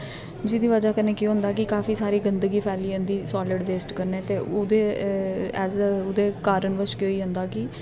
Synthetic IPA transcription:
d͡ʒiːd̪iːʋəd͡ʒaːkənːeːkjõːɦʊ̃nd̪aːkɪkaːfʰiːsaːɾiːɡənd̪əɡiːpʰɛːliːə̃nd̪iːsɔːlɪɖʋeːsʈkəɾneːt̪eːod̪eː | ɛːzʊd̪eːkaːɾənʋəʃkjoːiːɦʊ̃nd̪aːkɪ

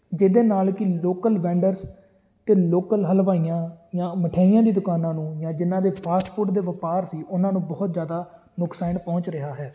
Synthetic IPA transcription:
d͡ʒɪd̪eːnaːlkɪloːkəlʋɛ̃ːɳɖəɾs | t̪eːloːkəlɦəlʋaːijãːjãːməʈʰaːijãːd̪iːd̪ʊkaːnãːnũːjãːd͡ʒɪnːãːd̪eːpʰaːsʈpʊɾʈd̪eːʋəpaːɾsiːʔʊnãːnũːbɔːt̪zjaːd̪aː | nʊksaːnpɔ̃ːt͡ʃɾɪɦaːɦɛː

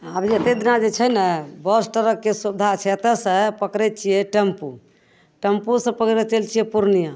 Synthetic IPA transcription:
abet̪ed̪inad͡ʒet͡ʃʰənɛbɔsʈəɾəkːesubd̪ʱat͡ʃʰet̪əsə̃pəkɾɛt̪̚t͡ʃʰijɛʈempu | ʈempusə̃pəkɾɛt͡ʃelt͡ʃʰijɛpuɾnija

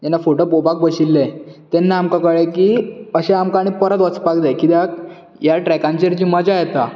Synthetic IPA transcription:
d͡ʑ̪ɛnːafoʈopopak̚bəɕilːẽt̪enːaamkakəɭekiːəɕẽamkaɽ̃ipəɾət̪ʋət͡spakd̪akid̪jak | jaʈɾɛkãɲt͡ɕeɾt͡ɕiːməd͡ʑajet̪a

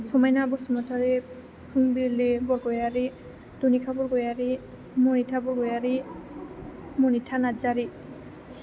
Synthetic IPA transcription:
sɔmajnabɔsɔmɔtʰaɹi | pʰuŋbiɹlibɔɹɡɔjaɹi | d̥unikʰabɔɹɡɔjaɹi | mɔnitʰabɔɹɡɔjaɹi | mɔnitʰanazaɹi

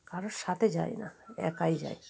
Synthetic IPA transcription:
kaɾoʃat̪ʰed͡ʑa̰jna̰ɛ̰kajd͡ʑa̰j

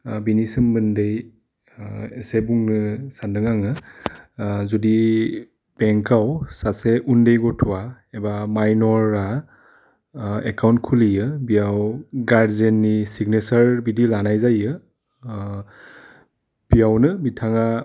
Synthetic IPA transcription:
binisɯmbɯndej | esebuŋnɯsandɯŋaŋɯ | zɔdi | b̥ɛŋkawsaseʔundejɡɔtʰua | ɛbamajnɔɹa | ɛkawntkʰulijɯbijawɡaɹzenːisiɡnɛsaɹbidilanajzajɯ | b̥ijawnɯbitʰaŋa

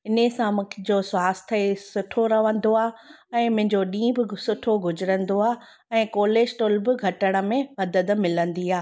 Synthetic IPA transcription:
ɪnesãmʊ̃kʰẽd͡ʑoswaːst̪ʰəesʊʈʰoɾɐʋə̃n̆d̪oaː | ɛ̃ːmʊ̃ɦɪ̃ɲd͡ʑoɗĩːbɪsʊʈʰoɡʱʊd͡ʑɾə̃nd̪oaː | ɛ̃ːkoːleːsʈoːlbɪɡʱɐʈəɽ̃ə̆mẽmɐd̪əd̪mɪlə̃nd̪iaː

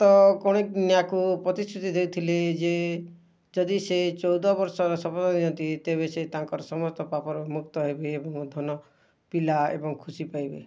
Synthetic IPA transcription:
t̪ɔkɔɽ̃ek̚njakupɾɔt̪ist̪ʰɾut̪id̪ewt̪ʰiled͡ʒe | d͡ʒɔd̪iset͡ʃɔwd̪ɔbɔɾsɔɾɔsɔpɔd̪ɔd̪iɔnt̪it̪eβeset̪aŋkɔɾɔsɔmɔst̪ɔpapɔɾɔmukt̪ɔɦebeːbɔŋd̪ʱɔnɔ | pilaḛbɔŋkʰusipajbḛ

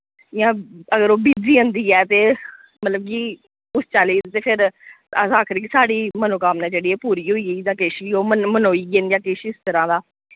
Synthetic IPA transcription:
jãːəɡəɾoːbiːd͡ʒiːɦə̃nd̪iːɛːt̪eː | mət̪ləb̚k̬iː | ʊst͡ʃaːliːt̪eːpʰɪɾ | əsaːkʰəɾiːkisaːɽiːmənõːkaːmnɛ̃ːd͡ʒeːɽiːɛːpuːɾiːɦoːiːed͡ʒ̪ãːkeːʃiːoːməmənoːiːɡend͡ʒãːkɪʃɪst̪əɾãːd̪aː

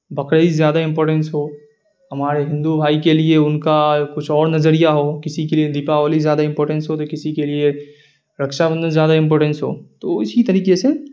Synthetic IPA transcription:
bɐkɽəizjaːd̪aɪ̃mpɔːɾʈə̃nsɦoː | ɦɐmaːɾeɦɪ̃nd̪ubʱaːikelieʊnkakʊt͡ʃʰɔːɾnɐzəɾijaɦoːkɪsikelied̪iːpaʋaːlizjaːd̪aɪ̃mpɔːɾʈə̃nsɦot̪okɪsikelie | ɾɐkʃabə̃nd̪ə̃nzjaːd̪aɪ̃mp̬ɔːʈənsɦo̰ːt̪oɪsit̪ɐɾiːqese

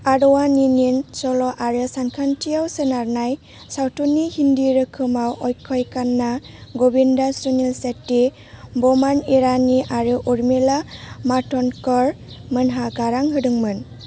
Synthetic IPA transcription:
aɾɔwanininsɔlɔʔaɾɯsankʰantʰijawsenaɾnaj | sawtunːihindiɾɯkʰɯmawɔjkʰɔjkanːaɡɔbindasunelsetːi | bɔmaniɾaniʔaɾɯʔuɾmelamatɔnkɔɾ | mɯnɦaɡaɾaŋɦɯdɯŋmɯn

